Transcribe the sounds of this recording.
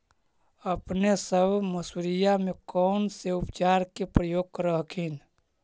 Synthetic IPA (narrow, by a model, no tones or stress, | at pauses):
əpnesəbʱməsuɾijamekɔʊnseupt͡ʃaːɾkepɾəjoːɡ̚kəɾəɦkʰin